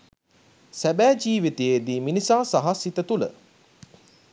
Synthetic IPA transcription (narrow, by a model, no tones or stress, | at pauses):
sæbæːd͡ʒiːʋit̪ejed̪iːminisaːsaɦasit̪ət̪ulə̰